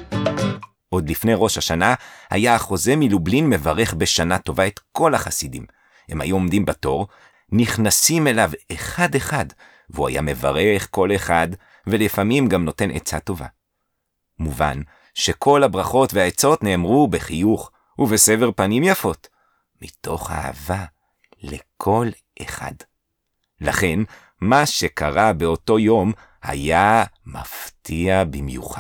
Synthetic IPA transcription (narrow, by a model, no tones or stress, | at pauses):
ʔo̞d̪lifne̞jʁo̞ʃhaʃanaha̰jaːχo̞ze̞milublinme̞vaʁe̞χbeʃanato̞vae̞t̪ko̞laχasidḭm | hemha̰juo̞mdimbato̞ʁ | niχnasime̞laveχade̞χad | veua̰ja̰me̞va̰ʁeχko̞le̞χad | velifamimɡamno̞te̞nʔḛt͡sato̞va̰ | muva̰n | ʃe̞kʰo̞labʁaχo̞tveaet͡so̞tne̞ːmʁubeχijuχ | uveseveʁpanimjafo̞t | mito̞χha̰a̰va | lekʰo̞l | ʔeχa̰d | la̰χe̞n | maʃe̞kaʁabeo̞to̞jo̞m | ha̰jamaftʰiabimjṵχa